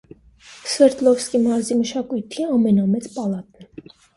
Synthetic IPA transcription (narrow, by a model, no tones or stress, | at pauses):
sɛɾt̪lɔvskimɑɾziməʃɑkujt̪ʰiɑmɛnɑmɛt͡spɑlɑt̪̚nɛ